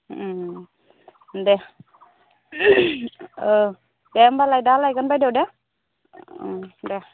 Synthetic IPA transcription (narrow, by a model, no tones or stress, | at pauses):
dɛ | dɛmbalajdalajkɔnbajdɛwdɛ | dɛ